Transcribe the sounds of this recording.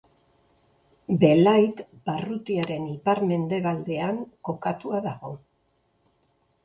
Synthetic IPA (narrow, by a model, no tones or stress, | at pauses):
be̞lajt̪b̥arut̪iaɾe̞nipaɾme̞nd̪e̞β̞ald̪e̞aŋko̞kat̪uaðaɣo̞